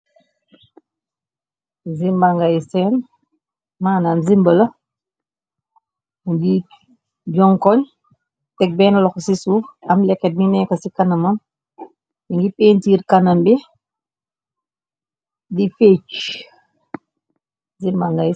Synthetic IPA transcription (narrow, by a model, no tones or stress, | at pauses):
zimbaŋɡajsɛːn | maːnaːmzimbəlɐ | muɡi | ɟɔŋkɔɲ | tɛk̚bɛːnlɔksisuːfɐmlɛkːɛt̚minɛkɐsikanɐmam | iŋɡipeːntiːɾkanɐmbi | difet͡ʃ | zimbaŋɡaj